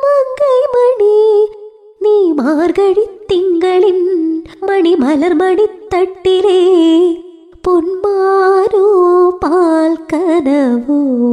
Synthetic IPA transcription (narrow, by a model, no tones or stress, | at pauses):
mɐŋɡɐɪmɐɳi | niːmaːɾɣɐɻit̪ːɪŋɡɐɭɪnmɐɳimɐlɐɾmɐɳit̪ːɐʈːɪle | pʊnmaːɾɯpaːlkɐnɐʋɯ